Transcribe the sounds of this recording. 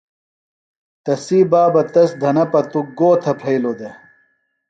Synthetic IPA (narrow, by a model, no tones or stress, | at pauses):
t̪ɐsiːbaːbɐt̪ɐsd̪ʱɐnɐpɐt̪uɡoːt̪ʰɐpʰɐjlod̪e